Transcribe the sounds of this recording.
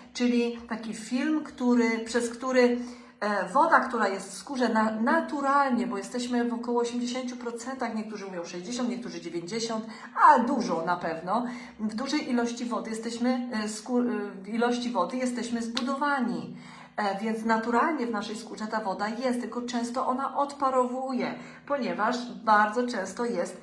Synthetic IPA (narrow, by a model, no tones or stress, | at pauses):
t͡ʂɘlʲit̪akʲifʲilmkt̪uɾɘpʂɛskt̪uɾɘ | vɔd̪akt̪uɾajɛst̪fskuʐɛnanat̪uɾalɲɛbɔjɛst̪ɛɕmɘvɔkɔwɔːɕemd͡ʑeɕeɲt͡ɕupɾɔt̪sɛnt̪axɲɛkt̪uʐɘumʲjɔ̃w̃ʂɛʑd͡ʑeɕ̬ɔ̃nt̪ɲɛk̚t̪uʐɘd͡ʑevʲjeɲd͡ʑeɕɔnt̪ | ad̪uʐɔnapɛvnɔ | vd̪uʐɛjʔilɔɕt͡ɕivɔd̪ɘjɛst̪ɛɕmɘskuvilɔɕt͡ɕivɔd̪ɘjɛst̪ɛɕmɘzbud̪ɔvaɲi | vʲjɛnt̪snat̪uɾalɲɛvnaʂɛjskuʐɛt̪avɔd̪ajɛst̪ːɘlkɔt͡ʂɛ̃w̃st̪ɔʔɔnaʔɔt̪paɾɔvujɛ | pɔɲɛvaʂbaɾd̪zɔt͡ʂɛ̃w̃st̪ɔjɛst̪